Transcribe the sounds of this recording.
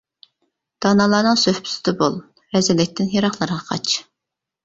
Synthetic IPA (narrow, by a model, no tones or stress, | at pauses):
d̪̥ɑnɑlˠɑːnɨŋsøhpʰy̥sɪd̪ɛbolˠ | ɾɛzɪlɪk̚ʲt̪ʰːɪnjɑɾɑχlˠɑɾəʁɑqʰɑ̰t͡ʃ